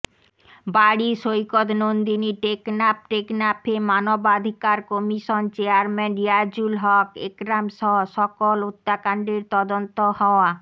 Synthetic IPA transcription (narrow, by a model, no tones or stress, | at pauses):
baɽiʃojkot̪nond̪iniʈeknap̚ʈeknapemanobad̪ʱikaɾkɔmiʃont͡ɕeaɾmɛniad͡ʑulɦɔkḛkɾamʃɔɦoʃɔkolot̪ːakaɳɖeɾt̪ɔd̪ont̪ohɔoa